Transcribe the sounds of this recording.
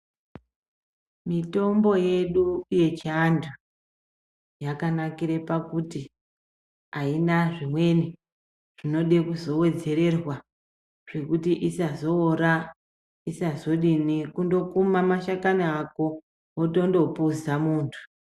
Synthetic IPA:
mito̞mbo̞je̞ɗuje̞t͡ʃiandu | jakanakiɾepakuti | ainaʐimwe̞ni | ʐ̥ino̞ɗekuzo̞we̞d͡ze̞ɾe̞rwa | ʐ̥e̞kutiʔisazo̞ːra | isazo̞ɗinikundo̞kumamaʃakaniako̞ | oto̞ndo̞puzamuːntʰu̥

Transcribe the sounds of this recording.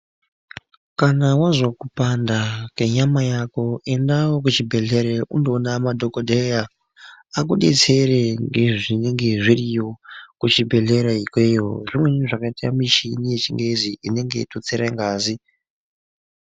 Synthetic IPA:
kanawazokupandakeɲamajakoe̞ndawok̬ut͡ʃibʱe̞ɮeɾeʔundonamadʱokodʱejaː | kuɗe̞̰t͡se̞ɾeŋɡe̞ʐineŋɡe̞ʐirijo̞kut͡ʃibʱe̞ɮe̞ɾaikwejo̰rimwe̞nʐakaitia̰miʃinije̞t͡ʃiŋɡe̞ziʔine̞ŋɡe̞̰tot͡seɾeŋɡaːzi

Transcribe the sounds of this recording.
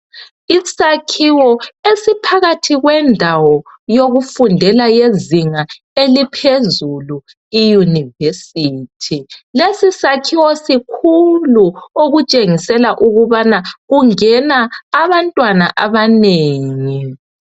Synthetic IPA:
isakʰiwɔesipʰaɣatʰiɣwɛndʱawɔjoɣufundʱɛlajeziŋa | elipʰezulu | ijunivesiːtʰilesisakʰiwɔsikʰuluoɣut͡ʃʼeŋisɛlaʔuɣuβanaɣuŋɛnaːβantʼwanaʔaβaneːŋi

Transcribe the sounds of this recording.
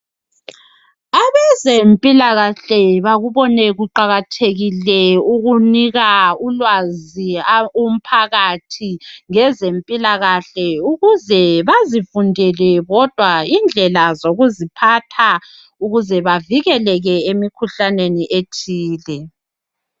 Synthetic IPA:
aβɛzempʼilaɣaɬɛβaɣuβɔnɛɣuǃaɣatʰeɣilɛuɣuniɣaulwazium̩pʰaɣatʰiŋɛzempʼilaɣaɬɛuɣuzɛβazifundʱɛlɛɣɔd̥ʱwaind͡ɮʱɛlazoɣuzipʰatʰa | uɣuzɛβaviɣɛlɛɣɛemikʰuɬaneniʔetʰiːlɛ

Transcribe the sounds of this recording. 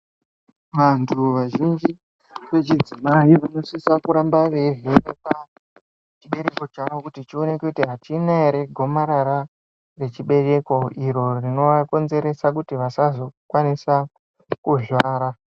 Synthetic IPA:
ʋantʰuʋaʒind͡ʒi | ʋe̞t͡ʃid͡zimaiʋano̞sisakuɾambaʋe̞veʋepa | t͡ʃiɓe̞ɾe̞ko̞t͡ʃaʋo̞kutit͡ʃio̞ne̞keutiɦatinaɾe̞ɡʱo̞maɾaɾa | re̞t͡ʃiɓe̞re̞ko̞iɾo̞rino̞ʋako̞nze̞ɾe̞sak̬utiʋasazo̞kwanisa | kuʒwaːɾa

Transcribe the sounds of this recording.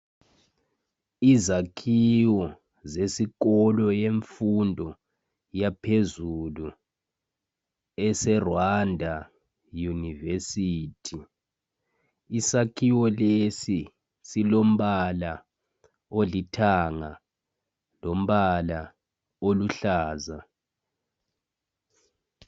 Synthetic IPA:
izakʰiwɔ | zesikɔlɔjeɱfundʱɔ | japʰezulu | ɛsɛrwandʱa | junivesiːtʰi | isakʰiwɔlesi | silom̩ɓala | olitʰaŋa | lom̩ɓala | oluɬaːza

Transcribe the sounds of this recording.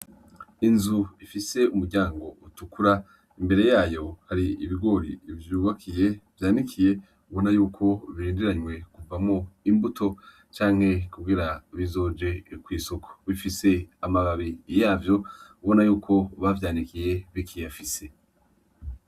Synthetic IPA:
inzuifise̞umuɾɟaːŋɡo̞utukuɾa | imbe̞ɾe̞jaːjo̞haɾiiβiɡwo̞ɾḭvjuːβakʰije̞vjaːnikʰije̞ | uβo̞najuːkʰo̞βiɾiːndiɾaɲwe̞kuvamoimbutʰo̞ | t͡ʃaːŋhe̞kub̚ɡiɾaβizo̞ːd͡ʒe̞kwiːso̞kʰo̥βifise̞amaβaβijaːvjo̞uβo̞najuːkʰo̞βavjaːnikije̞βikʰijafise̞

